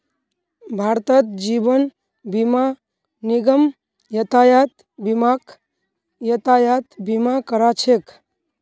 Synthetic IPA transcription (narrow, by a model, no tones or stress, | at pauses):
bʱaɾt̪ət̪̚d͡ʒibən | bima | niɡəm | jət̪ajat̪ | bimak | jət̪ajat̪bimakəɾat͡ʃʰek